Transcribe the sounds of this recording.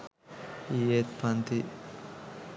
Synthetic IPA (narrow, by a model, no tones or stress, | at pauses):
iet̪pant̪i